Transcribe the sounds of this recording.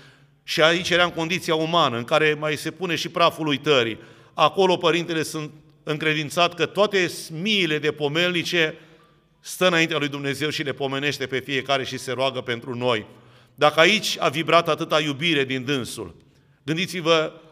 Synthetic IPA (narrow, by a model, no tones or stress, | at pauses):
ʃiait͡ʃjeɾamko̞nd̪it̪sijaumanəɨŋkaɾe̞majse̞pune̞ʃipɾafulujt̪əɾḭ | ako̞lo̞pəɾint̪e̞le̞sunt̪ | ɨŋkɾe̞d̪int̪sat̪kət̪oat̪e̞smiːle̞d̪e̞po̞me̞lnit͡ʃe̞ | st̪əɨnaint̪ealujd̪umne̞ze̞wʃile̞po̞me̞ne̞ʃt̪e̞pe̞fije̞kaɾe̞ʃise̞ɾoaɡəpe̞nt̪ɾuno̞j | d̪akəait͡ʃʲa̰vibɾat̪at̪ɨt̪ajubiɾe̞d̪ind̪ɨnsṵl | ɡɨnd̪it̪sivə